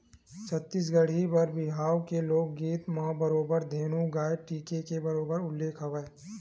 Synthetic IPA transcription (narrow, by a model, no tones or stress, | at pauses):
t͡ʃʰɐt̪ːiːs̬ɡɐɽ̤ibɐɾbɪɦaːwkeloːɡːiːt̪mãːbɐɾoːbəɾd̪ʱeːnũɡaːjʈiːkekebɐɾoːbəɾʊlːeːkʰɐʋeː